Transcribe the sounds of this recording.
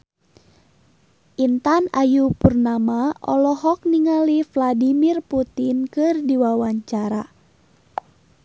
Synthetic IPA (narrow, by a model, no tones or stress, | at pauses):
ʔint̪anajupurnamaɔ̰lɔɦɔk̚niŋalifladimirput̪inkɨrdiwawaɲt͡ʃaɾa